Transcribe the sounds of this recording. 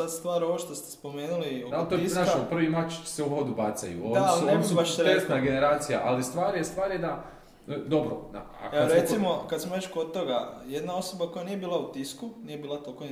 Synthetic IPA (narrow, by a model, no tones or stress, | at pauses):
ad̪st̪ʋaːɾo̞ʋoʃt̪o̞st̪e̥spo̞meːnulioalt̪oinaːʃopr̩ʋimat͡ʃseuɦo̞d̪ubat̪sa̰jṵod̪naiasliuneubaʃesnaɡeneɾaːt̪sija̰ʔalist̪ʋaːɾjest̪ʋaːɾjed̪a | d̪o̞bɾo̰na̰ | a̰kaɾesimo̞kad̪semoɾet͡ʃkod̪̚t̪o̞ɡajed̪nao̞so̞bako̞janije̞biːlˠaut̪iskunije̞biːlˠat̪olko